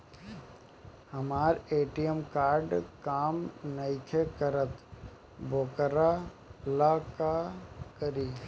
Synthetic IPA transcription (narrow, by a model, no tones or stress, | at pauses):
hɐmaːɾeːʈijəmkaːɾɖkaːmnəjkʰekəɾət̪ | bʱoːkɾa | laːkakəɾiː